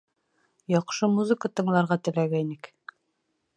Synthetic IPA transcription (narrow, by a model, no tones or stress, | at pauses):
jɑqʃɤmuzɘ̆kət̪ɤ̆ɴlˠɑɾʁɑt̪ɘ̆læɡæinɘk